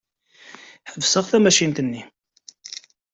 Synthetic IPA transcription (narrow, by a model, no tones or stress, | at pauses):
ħəvsəʁθæmæʃint̪ənːi